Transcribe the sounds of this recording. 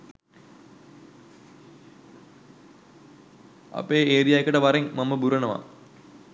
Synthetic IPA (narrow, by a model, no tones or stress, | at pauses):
a̰peːeːɾijaːjekəʈəʋaɾeŋmamːəbuɾɐnəʋa̰